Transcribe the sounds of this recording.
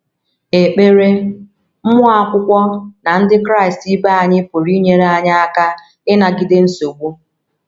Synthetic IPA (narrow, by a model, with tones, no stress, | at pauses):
e˨k͡pe˦ɾe˦ | m̩˦mʊ˦a˦kʷʊ˦kʷɔ˦na˨n̩˦dɪ˦kɾa˦˨ɪ˨sti˦ba˦a˨ɲɪ˦po˨ɾi˦ɲe˨ɾa˨ɲa˦a˦ka˦ | ɪ˦na˨ɡɪ˦de˦n̩˦so˨ɡ͡bʷu˦